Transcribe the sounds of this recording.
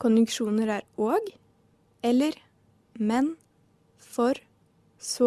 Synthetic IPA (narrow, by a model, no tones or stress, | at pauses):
kʰʊnjʉŋkʃuːnəɾæːɾoːɡ | ɛləɾ | mɛn | fɔɾ | soː